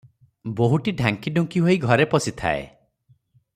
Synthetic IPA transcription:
boɦuʈiɖʱaŋkiɖuŋkiɦoiɡʱɔɾepɔsit̪ʰa̰ḛ

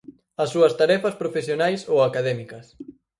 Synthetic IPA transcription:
ɐsːuɐst̪aɾɛfɐspɾofesjonajsowakaðɛmikɐs

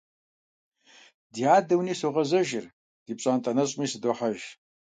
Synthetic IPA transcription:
diaːdɐwniːsoʁɐzɐʒɪr | d̥iːpʼɕʼaːntʼɐnɐɕʼmiːsɨdoħaʒ

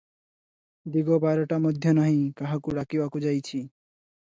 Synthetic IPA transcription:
d̪iɡobaɾoʈamod̪ʱːjonaɦĩkaɦakuɽakibakud͡ʑajt͡ɕʰi

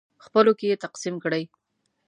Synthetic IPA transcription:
xpəlokejet̪aqsimkɽəj

